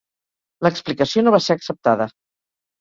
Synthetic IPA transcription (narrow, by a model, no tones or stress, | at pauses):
ləksplikəsionoβaseəksəp̚t̪aðə